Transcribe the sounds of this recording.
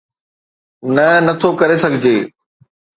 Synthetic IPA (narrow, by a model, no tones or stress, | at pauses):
nɐnɐt̪ʰokɐɾesɐɡʱɪd͡ʑeː